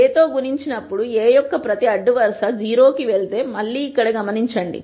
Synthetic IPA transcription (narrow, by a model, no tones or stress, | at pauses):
eːt̪o̞ːɡuɾiɲt͡ʃinɐpːuɽueːjɔkːɐpɾɐt̪iɐɖːuʋɐɾsɐd͡ʒiːɾo̞ːkiʋeɭt̪e̞ːmɐɭːiːkːɐɽɐɡɐmɐniɲt͡ʃɐɳɖḭ